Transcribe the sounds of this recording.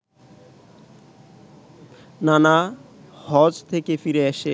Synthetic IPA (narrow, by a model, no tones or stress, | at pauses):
nana | hɔd͡ʑt̪ʰekefiɾeeʃe